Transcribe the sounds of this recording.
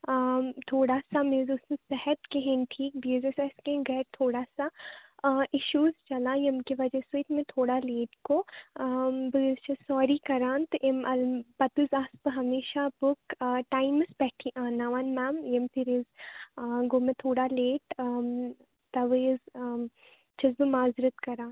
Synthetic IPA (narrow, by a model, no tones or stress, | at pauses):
t̪ʰoːɽasamẽːzuːsɐ̃sɛɦət̪keɦẽnʈʰiːk̚bizesɛskẽɡɛːt̪ʰoːɽasa | ʔɪʃuːzt͡ʃɐlãjɐmkiʋɐd͡ʒɐsut̪mẽt̪ʰoːɽaleːʈkoː | bɪzt͡ʃisɔːɾikɐɾãːnt̪ʔemɐlbɐt̪uzaːspɨɦɐmeːʃabʊkːʈaːɪməsbɛːʈʰiʔãːnaːʋaːnmaːmjɐmpʰɪɾɪz | ɡoːmẽt̪ʰoːɽaleːʈː | t̪ɐʋəz | t͡ʃʰɐzbɨmaːzɪɾət̪kɐɾãːn